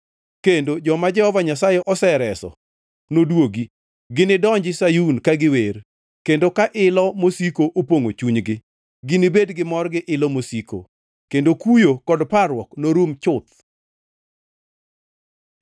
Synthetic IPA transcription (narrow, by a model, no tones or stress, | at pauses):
kendod͡ʒɔmad͡ʒɛhɔvaɲasajɛʔɔsɛɾɛsɔ̰ | nodwoɡi | ɡɪnɪdɔɲd͡ʒɪsajunkaɡɪwer | kendokaʔɪlɔmosikoʔopoŋo̰t͡ʃuɲɡɪ | ɡɪnɪbedɡɪmɔrɡɪʔɪlɔmosiko̰ | kendokujokɔdparwɔknoɾomt͡ʃʊt̪̚